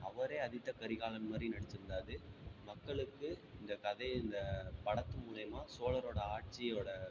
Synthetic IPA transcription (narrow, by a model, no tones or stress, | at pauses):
ɐʋɐɾeːɐðɪt̪ːɐkɐɾɪɣaːlɐnmaːd̪rinɐɽɛt͡ʃːɯɾɯnd̪aːðɯmɐkːɐɭɯkːɯɪnd̪ɐkɐðɐɪɪnd̪ɐpɐɽɐt̪ːɯmuːlɐjɐmaːsoːlɐɾoːɽɐaːʈ̚t͡ʃɪjoːɽɐ